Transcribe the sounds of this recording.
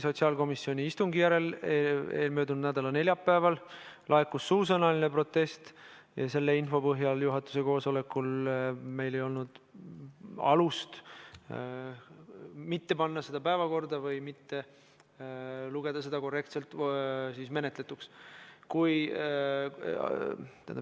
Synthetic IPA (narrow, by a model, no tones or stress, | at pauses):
so̞t̪ʲsiɑːlko̞misːio̞nʲiist̪uŋɡijæɾe̞lee̞ːlmøːd̪unud̪næd̪ɑlɑne̞lʲjɑpːæevɑllʔɑe̞kːusːuːs̬ɑnɑlinepro̞t̪ːˑe̞st̪ | jɑse̞lːeinfo̞pɤɦjɑljuɦɑt̪ːˑu̥se̞ko̞ːso̞le̞kːˑulme̞jle̞jo̞lnud̪̥ | ɑ̰lust̪ | mit̪ːe̞pɑnːɑse̞d̪̥ɑpæevɑko̞rd̪ɑvɤjmit̪ːe̞ | luɡ̥e̞d̪̥ɑse̞d̪̥ɑko̞re̞kt̪se̞lt̪ːˑsisme̞net̪le̞t̪ːukskuj | ḛn